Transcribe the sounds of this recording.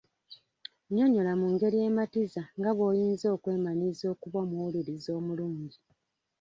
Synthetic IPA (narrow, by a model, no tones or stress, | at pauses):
ɲo̞ɲo̞lamuŋɡe̞ɾije̞ːmatizaŋɡaβo̞ːjiːnzo̞ːkwe̞ːmanizo̞ːkuβwamuwuliɾizo̞ːmuluːɲɟi